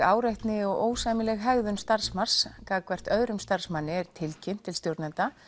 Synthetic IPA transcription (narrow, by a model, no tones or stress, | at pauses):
aːwɾajht̪nɪɔɣoːwsajmɪlɛɣɦɛɣðʏnst̪aɾ̥smar̥skaːkvɛr̥t̪œːɥɾʏmst̪ar̥smanːɪɛɾ̥t̪ʰɪlcʰɪn̥t̪ʰːɪlst̪joɾt̪nant̪a